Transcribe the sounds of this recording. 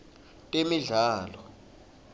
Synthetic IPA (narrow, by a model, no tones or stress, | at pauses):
tʼemiɮaːlɔ